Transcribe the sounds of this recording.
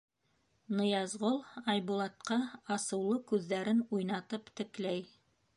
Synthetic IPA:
nɤ̆jɑzʁolˠɑjβulˠɑt̪̚qɑɑsɤ̆wlˠɤkʉðːæɾɘnujnɑt̪ɤpt̪ɘ̆klæj

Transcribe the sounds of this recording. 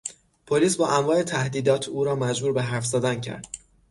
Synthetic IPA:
pʰoliːsbɒːʔæmvɒːʔe̞t̪ʰæhd̪iːd̪ɒːt̪ʰuːɾɒːmæd͡ʒbuːɾbeɦæɾfz̥ɒːd̪æncʰæ̰ɾd̪̥

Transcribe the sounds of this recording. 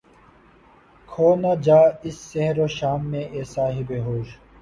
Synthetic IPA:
kʰoːnad͡ʑaːɪsːeɦɾoːʃaːmːẽʔeːsaːɦibeɦoːʃ

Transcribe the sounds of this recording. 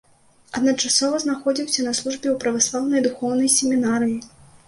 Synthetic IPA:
ɐd̪nɐt͡ʂasɔvɐznaxɔd͡zʲiwsʲɐnɐslˠuʐbʲɛwpɾɐvaslˠawnɐjd̪uxɔwnɐjsʲemʲinaɾɨji

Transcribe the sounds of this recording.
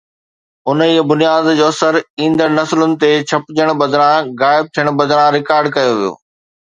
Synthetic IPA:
ʊniːəbʊnijaːd̪d͡ʑoːɐsəɾĩːnd̪əɾnɐslʊnɪ̆t̪et͡ɕʰɐpɪd͡ʑəɽ̃bɐd̪ʱɾãɣaːɪb̚t̪ʰijəɽ̃bɐd̪ʱɾãɾɪkaːɾɖkɐjoʋijo̰ː

